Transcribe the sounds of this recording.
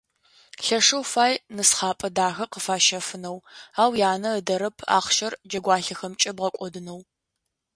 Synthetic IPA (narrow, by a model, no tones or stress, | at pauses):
ɬɐʂɐwfaːjnɨsχɑːpʼɐdaːxɐqəfaːʃɐfɨnɐwaːwjaːnɐədɐɾɐpʰa̰ːχʃɐrd͡ʒɐɡʷɑːɬɐxɐmt͡ʃʼɐbʁɐkʷʼɔdɨnɐw